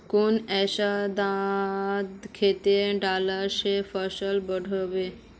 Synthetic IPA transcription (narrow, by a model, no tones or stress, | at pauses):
konɛʃad̪a | d̪kʰet̪eɖalaɾʃefɔʃəlbɔɖʱobe